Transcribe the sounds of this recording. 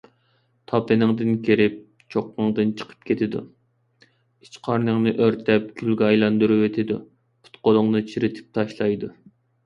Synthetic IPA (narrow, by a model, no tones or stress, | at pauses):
t̪ʰɑpɨnɨŋd̪ɨnkʲʰeɾɪp̚ | t͡ʃʰoqːəŋd̪ɨnt͡ʃʰə̥qʰə̥p̚kʲʰet̪ʰɪd̪ṵ | it͡ʃqʰɑɾnɨŋnɨʔøɾt̪ʰɛp̚kʲʰylɡʲɛɑjlˠɑnd̪uɾuwet̪ʰɪd̪u | pʰu̥t̪qolˠʊŋnɨt͡ʃʰiɾɪt̪ʰɪ̥p̚t̪ʰɑʃlˠɑjd̪u